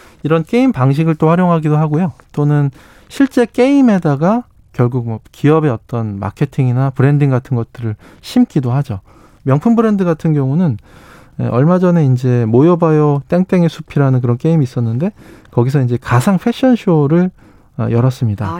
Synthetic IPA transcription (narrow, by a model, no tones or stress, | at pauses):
iɾʌnk͈e̞impaŋɕ̬ʰiɡɯɭt͈oɸwaɾjoŋɦaɡidoɦaɡojot͈onɯn | ɕʰiɭt͡ɕ͈e̞k͈e̞ime̞daɡa | kjʌɭɡuk̚mʌkiʌbe̞ʌt͈ʌnma̰kʰe̞tʰiŋinapɯɾe̞ndiŋɡatʰɯnɡʌt̚t͈ɯɾɯɭ | ɕʰimk͈idohad͡ʑo | mjʌŋpʰunbɯɾe̞ndɯɡatʰɯnɡjʌŋunɯn | ḛʔʌɭmad͡ʑʌne̞ind͡ʑe̞mojʌbajʌt͈eŋt͈e̞ŋe̞sʰupʰiɾanɯnk̬ɯɾʌnk͈e̞imiːs͈ʌnːɯnde̞kʌɡis̬ʰʌind͡ʑe̞kasʰaŋɸʰe̞ɕ͈ʰʌnɕʰoɾɯɭ | ʌ̰jʌɾʌs͈ɯmɲida